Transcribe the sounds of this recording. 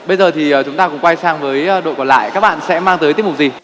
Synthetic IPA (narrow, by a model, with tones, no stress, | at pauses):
ɓə˧jzəː˨˩t̪ʰi˨˩əː˨˩t͡ɕʊ˨˦ŋ͡mt̪aː˧kʊ̰˧˥ŋ͡mkwa˧jsaː˧ŋvəː˨˦jɗo̰˧˨jkɔ˨˩nla̰ː˧˨jkaː˦˥k̚ɓa̰ː˧˨nsɛ̰˧˥maː˧ŋt̪əː˨˦jt̪i˦˥p̚mʊ˨˩k̚zi˨˩